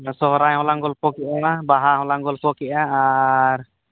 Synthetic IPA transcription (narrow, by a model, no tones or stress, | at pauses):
sɔɦɔɾajɦɔ̃laŋɡɔlpɔkɛʔabaɦaɦɔ̃laŋɡɔlpɔkɛʔaaɾ